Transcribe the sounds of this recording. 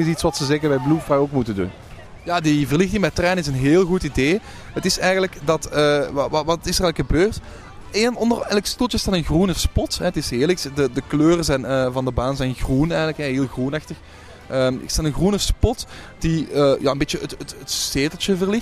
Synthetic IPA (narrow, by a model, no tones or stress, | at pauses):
ɪsitsʋɑtsəzɛɣənʋɛjblufrajoːkmutəndṵn | jaːdivərlɪxtɪŋbɛtrɛːnəɪsənɦeːlˠɣutideː | ətɪsɛjɣənləkdɑtəʋʋɑɪsərɛjləkxəbøːrt | eːnɔndərɛlˠkstulˠt͡ʃəɪsdɑtənɣrunəspɔtɦɛtɪsɦeːlˠɪksdədəkløːrəzɛjnəːvɑndəbaːnzɛjnɣrunɛjɣənləkɦɛɦeːlˠɣrunɑxtəx | ʔəːmɪ̰sdaɑtənɣrunəspɔtd̥iəːja̰ːənbeːt͡ʃəətətətsteːtəl̩ˠt͡ʃəvərlɪx